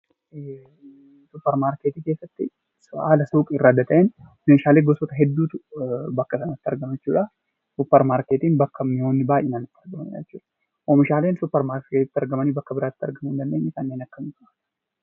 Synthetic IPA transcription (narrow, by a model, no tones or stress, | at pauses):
sʊpːɛɾmaːɾkeːt̪iːke̞ːsːɐt̪ːɪ | sʊaːlɐsuːkʼɪrːaːd̪ɐt̪ɐʔɛnneʃaːleːɡɔsɔt̪ɐɦɛd̪ːuːt̪ʊbɐkːɐsɐnɐt̪ːɐɾɡɐmɛt͡ʃːṵːᶑa | sʊpːɛɾmaːɾkeːt̪iːnbɐkːɐmɪhoːnːɪbaːjʔɛnaːnɪt̪ːɪɐɾɡɐmɐnɪ̰ᶑd͡ʒɐt͡ʃːuːᶑɐ̥ | ʔomɪʃaːleːnsʊpːɐɾmaːɾket̪ɪt̪ːɐɾɡɐmɐnibɐkːɐbɪɾaːt̪ɪ̥t̪ːɐɾɡɐmʊɪnd̪ɐnd̪e̞ːɲːɐsaːnːeːnɐkːɐmɪkɐɐ